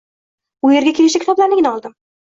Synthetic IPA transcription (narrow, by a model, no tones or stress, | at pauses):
ʊje̞ɾɡʲakʲʰe̞lɪʃakʰʲɪ̥t̪ɒblaɾnɪɡʲɪnɒlˠd̪ɪm